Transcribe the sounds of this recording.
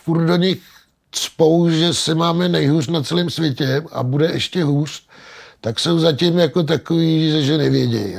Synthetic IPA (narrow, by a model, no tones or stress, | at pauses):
furt̪̚do̞ɲɪx | t̪spowʒɛsɪmaːmɛnɛjɦuːrnat͡sɛliːmsvjɛcɛʔa̰budɛʔɛʃcɛɦuːr̥t̪akso̞wzacɪmjako̞t̪̬akoviːʒɛʒɛnɛvjɛɟɛ̰j